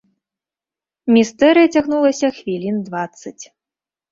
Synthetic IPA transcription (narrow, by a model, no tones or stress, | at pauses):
mʲist̪ɛɾɨjɐt͡sʲaɣnulˠɐsʲɐxvʲilʲind̪vat̪sːɐt͡sʲ